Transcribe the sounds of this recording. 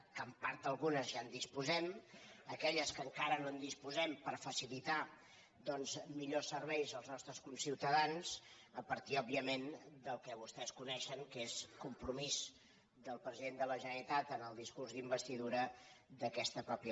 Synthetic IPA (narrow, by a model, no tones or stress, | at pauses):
kəmpaɾt̪əlˠɣunəzʒand̪ispuzɛməkɛʎəskəŋkaɾənond̪ispuzɛmpəɾfəsilit̪a | d̪ɔnzmiʎosːəɾβɛjzəlˠznɔst̪ɾəskunsiwt̪əðanz̥ | əpəɾt̪iɔbiəmend̪əlˠkɛβust̪ɛskunɛʃəŋkeskumpɾumiz | d̪əlˠpɾəziðend̪ələʒənəɾit̪at̪ənəlˠd̪iskurzðimbəst̪iðuɾəd̪əkɛst̪əpɾɔpjə